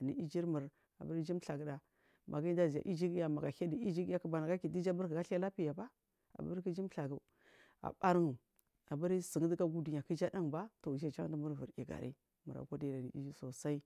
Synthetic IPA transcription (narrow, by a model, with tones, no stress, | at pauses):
ni˨i˦d͡ʒi˦ɾmə˨ɾ | a̰˨bə˦ɾd͡ʒi˦mɬa˨ɡə˦da˨ | mʔa̰˨ɡi˦da˦zi˨ja̰˨ʔi˦d͡ʒi˦ki˦a˦ma˨ɡa˨ha˦di˨i˦d͡ʒi˦kja˦kə˦ba˨na˨ɡa˦ki˨di˦d͡ʒa˦bə˦ɾkə˨ɡa˦ɬa˦la˦pi˦ja˨ba˦ | a̰˨bə̰˦ɾki˦d͡ʒi˦mɬa˨ɡa˨ | a̰˨ba˦ɾi˦˨ŋ˨ | a˨bə˦ɾsə˨ŋ˦di˦ɡa˦ɡu˦du˨ɲ˨a˨ki˦d͡ʒa˦da˦ŋ˨ba˦to˨d͡ʒa˦d͡ʒa̰˦ŋ˦di˦mə˦ɾvu˨ḭ˨ɡa̰˨ɾḭ˦ | mu˨ɾa̰˨ko˦da˦˨a˨nḭ˨ḭ˦d͡ʒi˦so˨sa˦i˦